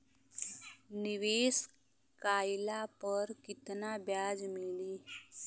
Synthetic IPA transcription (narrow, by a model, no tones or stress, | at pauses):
niʋeːs | kaːjlapəɾkɪt̪nabjaːd͡zmiliː